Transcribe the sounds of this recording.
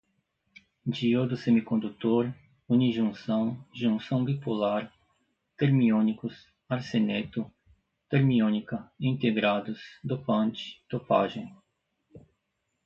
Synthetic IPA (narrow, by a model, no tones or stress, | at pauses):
d͡ʒiod̪ʊsẽmikõnd̪ut̪oɾ | uniʒũsɐ̃w̃ʒũŋsɐ̃w̃bipulaɾ | t̪eɾmiõnikʊs | aɾsenet̪ʊ | t̪eɾmiõnikɐĩnt̪eɡɾad̪ʊsd̪opɐ̃nt͡ʃɪ̥t̪opa̰ʒẽ